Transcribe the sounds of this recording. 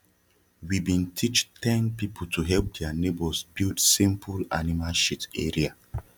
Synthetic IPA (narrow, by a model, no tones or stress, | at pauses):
wibĩntʰit͡ʃtʰɛ̃npipʰoltʰuɦɛlp̚dɛanebɔsbidsĩmpʰula̰nimalʃiteɹia